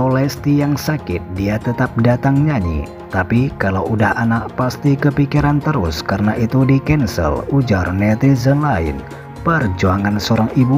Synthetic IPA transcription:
olɛst̪ijaŋsakɪt̪̚diat̪ət̪ap̚dat̪aŋɲaɲḭ | t̪apikalawʔudahanaʔ̚past̪ikəpikiɾant̪əɾʊ̰skaɾənaʔit̪udikɛnsə̰lud͡ʒarnɛt̪izənlaɪ̰n | pərd͡ʒuaŋansoɾaŋibu

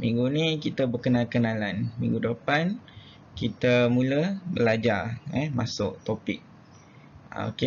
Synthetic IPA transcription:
mḭ̃ŋɡunikit̪əbərkənalkənalanmḭŋɡudəpan | kit̪əmuləhbəlad͡ʒarɛmasʊ̰ʔt̪opɪk̚ | a̰o̰ke

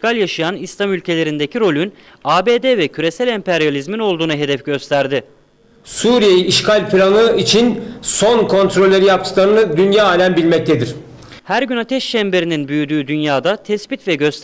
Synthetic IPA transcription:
kalʲjaʃɯjanislˠamylʲcʰe̞lʲe̞ɾind̪ecʰiɾo̞lʲyn | aːbeːd̪evɛcʰyɾe̞sælʲɛmpʰɛɾjalʲizmino̞lˠd̪uːnaɦe̞d̪ɛfɟø̞st̪ʰæɾd̪ɪ | suɾijejiiʃkʰalʲpʰiɾʲanɯit͡ʃʰinso̞nkʰo̞nt̪ʰɾo̞lʲːeɾijap̚t̪ɯ̥klˠaɾɯnɯd̪ynjaːaːlʲænbilʲmɛc̚t̪ʰed̪iɾ̥ | hæɾɟynat̪ʰɛʃt͡ʃɛmbe̞ɾininbyjyd̪yːd̪ynjaːd̪at̪ʰɛsbit̪vɛɟø̞st̪

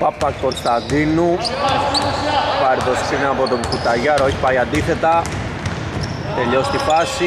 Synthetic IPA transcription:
pɐpːɐko̞nst̪ɐðinu | pɐɾit̪ost̪ineɐpot̪omkut̪ɐʝɐɾoçi̥pɐjɐnd̪iθe̞t̪ɐ | t̪e̞ʎo̞st̪ifɐsi

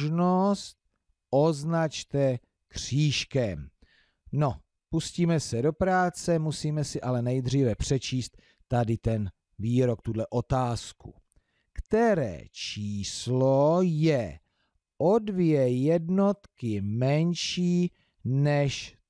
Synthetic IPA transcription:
ʒnost̪̚ | ʔoznat͡ʃt̪ɛ | kr̥iːʃkɛm | no̞ | pusciːmɛsɛdo̞pɾaːt͡sɛmusiːmɛsɪʔalɛnɛjd̪r̝iːvɛpr̝̥ɛt͡ʃiːst̪ː | adɪt̪ɛn | viːɾok̚t̪udlɛʔo̞t̪aːskṵ | kt̪ɛɾɛ̰ːt͡ʃiːslojɛ | ʔodvjɛjɛdno̞t̪kɪmɛnʃiː | nɛʃ

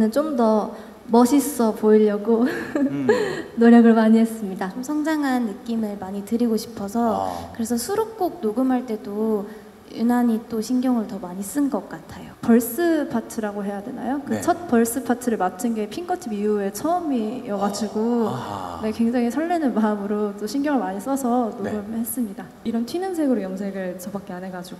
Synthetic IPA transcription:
nɯnt͡ɕ͈omdʌ | mʌɕʰis͈ʌpoiʎːʌɡo | noɲjʌɡɯɭmaɲiɦes͈ɯmɲidat͡ɕomsʰʌŋd͡ʑaŋɦanːɯk͈imɯɭmaɲitɯɾiɡoɕʰi̥pʰʌsʰʌkɯɾe̞sʰʌsʰuɾok͈oɡ̚noɡɯmɦaɭt͈e̞do | ṵnaɲit͈oɕʰinɡjʌŋɯɭtʌmaɲis͈ɯnɡʌk̚k͈atʰajopʌɭs͈ɯpʰatʰɯɾaɡoɦe̞jadwe̞na̰jokɯt͡ɕʰʌt̚pʌɭs͈ɯpʰatʰɯɾɯɭmatʰɯnɡe̞pʰinɡʌtʰibijue̞t͡ɕʰʌʌmijʌɡad͡ʑiɡo | ne̞kwe̞ŋd͡ʑaŋisʰʌɭːenɯnmaɯmɯɾot͈oɕʰinɡjʌŋɯɭmaɲis͈ʌsʰʌnoɡɯmhe̞s͈ɯmɲida | iɾʌntʰɥinɯŋsʰe̞ɡɯɾojʌŋsʰe̞ɡɯɭt͡ɕʌbak͈eanɦe̞ɡad͡ʑuɡo

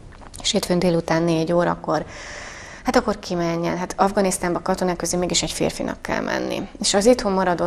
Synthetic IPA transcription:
eʃeːt̪fønd̪eːlut̪aːnːeːɟoːɾɒ̰kːo̞r | hat̪ɒkːorkʰimɛɲːɛ̰nɦat̪ɒvɡɒnist̪aːmbɒkɒt̪o̞naːkøzymeːɡiʃɛɟfḛːrfinʔɒ̰kːɛ̰lmʔɛ̰nːḭeːʃɒzit̪homːɒɾɒd̪o̞

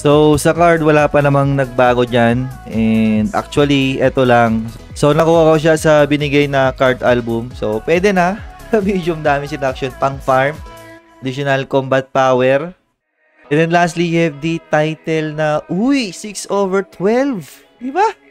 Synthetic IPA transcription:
sowsɐkaɹd̪̚wɐlaːpɐnɐmaŋnɐɡ̚baːɡo̞d͡ʒanʔɛnd̪ʔa̰k̚t͡ʃuɐliʔɛt̪olɐŋ | so̞nɐkuːhɐkoʃ̬asɐbɪnɪɡajnɐkaɹd̪ʔalbʊmso̞pwɛd̪ɛnɐsɐmid͡ʒjʊmd̪aːmɪnsɪd̪ak̚ʃonpɐŋfaɹm | ɐd̪iʃonɐlkombɐt̪̚paːwɛɹ | ʔɛnd̪ɛnlast̪lihɛv̚d̪it̪ajt̪ɛlnɐʔujsiksʔoːvɛɹt̪wɛlv | d̪ɪba

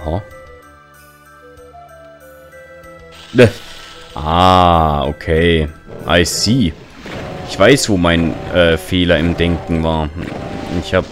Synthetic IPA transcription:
ha | nəʔaːo̰kʰeːʔa̰ɪsiː | ʔɪçv̥aɪsv̥oːmaɪnʔɛːfeːlɐɪmdɛŋkŋ̩vaːɐ | ɪ̰çhaːb

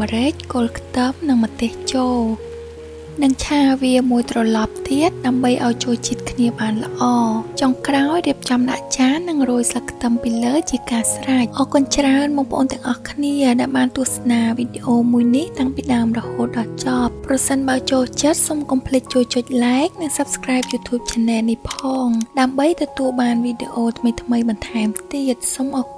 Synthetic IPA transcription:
rɨc̚koːlkʰt̪əmnɨŋmət̪eːht͡ɕoː | nɨŋt͡ɕʰaːʋiəmuəjt̪rɑlɑp̚t̪iət̪̚ɗaəmɓəjʔaɔjt͡ɕoːlt͡ɕiət̪̚kʰniəɓaːnlə̆ʔɑːt͡ɕoŋkraɔjriəp̚t͡ɕɑmɗa̰ʔt͡ɕaːnːɨŋruːəjsləkʰːt̪əmpiːləːt͡ɕiəkaːsrac̚ʔɑːkʊ̆ənt͡ɕraənɓɔŋpəʔo̰ːnt̪ɛ̆əŋʔɑhkʰniəɗaɛlɓaːnt̪ʊəhsnaːʋiːɗeʔoːmuəjniht̪aŋpiːɗaəmrɔhoːt̪̚ɗɑlt͡ɕɑp̚pːrɑsənɓaət͡ɕoːht͡ɕət̪̚somkɑmpʰlɨk̚t͡ɕoːht͡ɕʊəc̚laɛk̚nɨŋsəp̚skraɛp̚juːt̪ʰjuːp̚t͡ɕʰənɛːnihpʰɑːŋɗaəmɓəjt̪ɔt̪uəlɓaːnʋiːɗeʔoːt̪ʰməjt̪ʰməjɓɑnt̪ʰaɛmt̪iət̪̚somʔɑːk

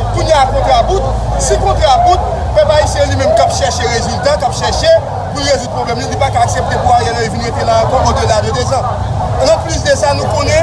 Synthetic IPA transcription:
kunjeakɔ̃t̪ʁabut̪̚ | sĩkɔ̃t̪ʁabut̪̚ | pɛpaisjɛ̃limɛ̃mkapʃɛʁʃeʁezylt̪akapʃɛʁʃe | punezud̪̚pʁoblɛmlilipakaːksep̚t̪epuajɛ̃nãiviniẽt̪elãkɔ̃bɔ̃d̪əlad̪əd̪ezã | nãplys̬d̪esanũkõnɛ̃

